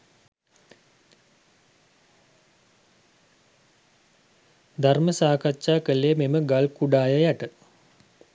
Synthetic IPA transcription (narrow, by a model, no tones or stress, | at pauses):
d̪ʱarməsaːkatːt͡ʃaːkəleːmeməɡalkuɖaːjəjaʈə